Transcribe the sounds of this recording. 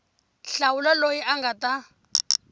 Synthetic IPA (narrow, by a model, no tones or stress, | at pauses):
ɬaulalojiʔaŋɡata